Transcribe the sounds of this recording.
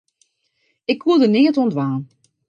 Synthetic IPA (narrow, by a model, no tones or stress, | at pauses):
ɪkʋulˠdənɪːətontʋaːn